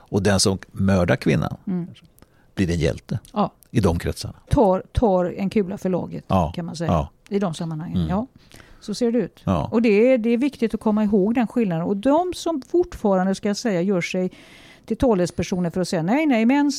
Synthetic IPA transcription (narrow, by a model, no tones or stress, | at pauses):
ɔd̪ɛnsɔmmœːɖaɾkʰvɪ̰nːa̰n | b̥liːɾɛnjɛ̰lt̪ə | ɪd̪ɔmkʰɾɛ̰t̪sa̰ɳat̪ʰɑːɾt̪ʰɑːɾdɛnkʰʉ̟ːlafœɭɑ̰ːɡə̰t̪kʰanmans̬ɛja | ɪd̪ɔmsamːanhaŋːənjɑːsɔseːɖɛʉ̟ːt̪ːɔd̪ɛæd̪ɛævɪkt̪ɪt̪ɔkʰɔmːaɪɦoːɡd̪ɛnɧɪlnad̪ənɔd̪ɔmsɔmfʊʈːfɑːɾand̪əskajasɛjːajœːʂɛj | t̪ʰɪlt̪ʰɑːlɛspʰæʂuːnəɾfœɾɔsɛjːanɛjnɛjmɛns